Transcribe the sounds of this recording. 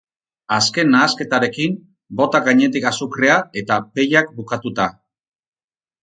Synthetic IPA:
aske̞nːaːske̞t̪aɾe̞kim | bo̞t̪akɡaɲe̞t̪ikasukreae̞t̪ape̞jak̚bukat̪ut̪a

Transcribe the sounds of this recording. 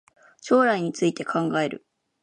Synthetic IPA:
ɕo̞ːɾaiɲ̟it͡sɨit̪e̞kʰãŋɡae̞ɾɯ̟̰

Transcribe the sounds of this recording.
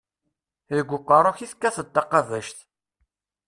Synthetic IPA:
ðəɡʷːʊqːərˤʊçiθkːæθət̪ːɑqːɑvæʃt̪

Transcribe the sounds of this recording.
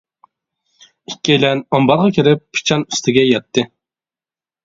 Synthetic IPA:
ikʲːejlɛnɑmbɑɾʁɑkʲʰiɾɪpʰːi̥t͡ʃʰɑny̥st̪ɪɡʲɛjɛt̪ʰːɨ

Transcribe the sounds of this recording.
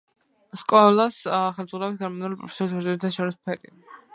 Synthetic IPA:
skʼɔlˠasχɛɾd̪zʁuɾabit̪̚ɡɛɾmanulipʼɾɔ̰pʰɛ̥sɔɾisbɾzidit̪ʰaʃɔɾispʰɛɾi

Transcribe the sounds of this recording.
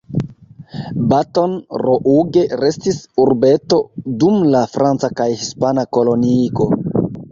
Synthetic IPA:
bato̞nɾoʔuɡe̞ɾe̞stisuɾbe̞to̞dumlafɾant͡sakajhispanako̞lo̞niɡo̞

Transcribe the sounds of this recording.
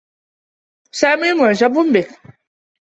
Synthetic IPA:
samimɔʒabumbɛ

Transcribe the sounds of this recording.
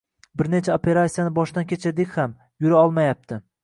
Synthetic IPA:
bɪɾne̞t͡ʃʰaopʰe̞ɾasʲijanɪbɒʃd̪ankʲʰet͡ʃʰad̪ekʲham | jʊɾaɒlˠmajap̚t̪ʰɪ

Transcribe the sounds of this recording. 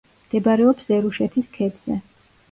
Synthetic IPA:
md̪̥ɛbaɾɛɔpsɛɾuʃɛt̪ʰiskʰɛd̪z̥ɛ̰

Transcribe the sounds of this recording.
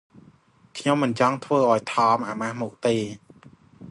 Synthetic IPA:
kʰɲomːɨnt͡ɕɑŋt̪ʰʋəːʔaɔjt̪ʰɑːmʔaːmahmuk̚t̪eː

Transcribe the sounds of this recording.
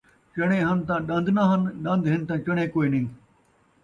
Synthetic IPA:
t͡ʃɐɽ̃ẽːɦɐnt̪ãːɗɐ̃nd̪ʱnɐɦənɗɐ̃nd̪ɦɪnt̪ãːt͡ʃɐɽ̃ẽːkoːinɐĩː

